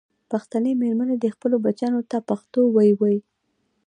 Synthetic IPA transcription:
paxt̪anəmeɾmaned̪əxpəlobat͡ʃɑnot̪apaxt̪owajwaji

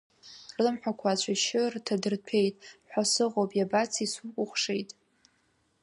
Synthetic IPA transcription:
rɨmħᶣakʷʰat͡ɕʷʰaʃɪrtʰadɨrpʰe̞jtʼħʷᶣasɨʁopʼjabat͡sʰisukʷʼʊχʷʂe̞jtʼ

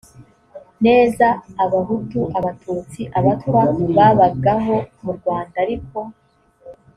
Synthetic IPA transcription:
ne̞ːzaːβaɦutuaβatʰuːt͡siʔaβatkwaβaːβaɡaɦo̞muɾɡwaːndaɾiko̞

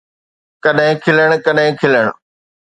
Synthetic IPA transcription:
kɐɗɦɪ̃kʰɪləɽ̃kɐɗɦɪ̃kʰɪləɽ̃

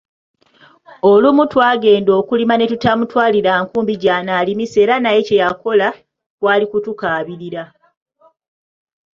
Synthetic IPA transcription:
olumutwaːɡe̞ːndo̞ːkulimane̞tutamutwaːliɾaŋkuːmbiɟaːnaːlimise̞ːɾanaje̞ce̞jako̞la | kwaːlikutukaːβiɾiɾa

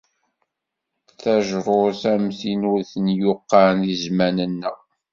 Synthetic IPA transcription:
θæʒɾˤoɾθæmθinʊɾθənjʊqːɑnizmænənːə

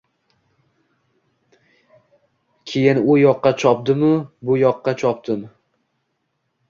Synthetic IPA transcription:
kʲʰejɪnʊjɒqːɑt͡ʃʰɒpd̪ɪmʊbʊjɒqːɑt͡ʃʰɒp̚d̪ɪm

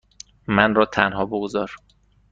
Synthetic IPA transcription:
mænrɒːt̪ʰænɦɒːboɡozɒːɾ

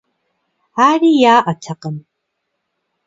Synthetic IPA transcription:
arijaːʔatʰaqʼən

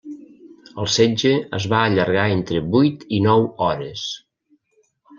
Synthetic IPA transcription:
əlˠsɛd͡ʒəə̰zβaəʎəɾɣ̞aent̪ɾəbujt̪inɔwɔɾəs

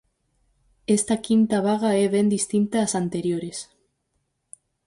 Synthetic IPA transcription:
est̪akint̪aβ̞aɣaɛβ̞ɛnd̪ist̪int̪aːsant̪eɾjoɾes

